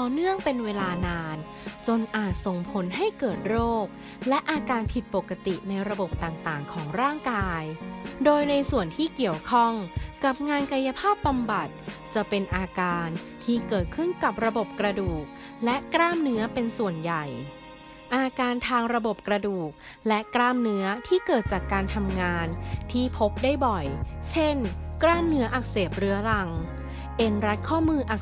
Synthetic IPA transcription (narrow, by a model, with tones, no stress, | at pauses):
t̪ɔː˨˩nɯ˥˩əŋpe˧nweː˧laː˧naː˧n | t͡ɕo˧nʔaː˨˩t̪̚so˨˩ŋpʰo˩˦nɦa˥˩jkɤː˨˩t̪̚ɾoː˥˩k̚ | lɛ˦˥ʔaː˧kaː˧npʰi˨˩t̪̚po˨˩kːa˧t̪ḭ˨˩na˧jɾa˧bo˨˩p̚t̪aː˨˩ŋt̪aː˨˩ŋkʰɔː˩˦ŋɾaː˥˩ŋkaː˧jdoː˧jna˧jsu˨˩ənt̪ʰiː˥˩ki˨˩əwkʰɔ˥˩ŋka˨˩p̚ŋaː˧nka˧ja˧pʰaː˥˩p̚ba˧mba˨˩t̪̚t͡ɕa˨˩pe˧nʔaː˧kaː˧n | t̪ʰiː˥˩kɤː˨˩t̪̚kʰɯ˥˩nka˨˩p̚ɾa˧bo˨˩p̚kɾa˧duː˨˩k̚ | lɛ˦˥ʔkɾaː˥˩mnɯ˦˥ɐpe˧nsu˨˩ənja˨˩j | ʔaː˧kaː˧nt̪ʰaː˧ŋɾa˧bo˨˩p̚kɾa˧duː˨˩k̚ | lɛ˦˥ʔkɾaː˥˩mnɯ˦˥ɐt̪ʰiː˥˩kɤː˨˩t̪̚t͡ɕaː˨˩kːaː˧nt̪ʰa˧mŋaː˧nt̪ʰiː˥˩pʰo˦˥p̚daː˥˩jbɔ˨˩jt͡ɕʰe˥˩nkɾaː˥˩mnɯ˦˥ɐʔa˨˩k̚seː˨˩p̚ɾɯ˦˥ɐla˧ŋ | ʔe˧nɾa˦˥t̪̚kʰɔː˥˩mɯː˧ʔa˨˩k̚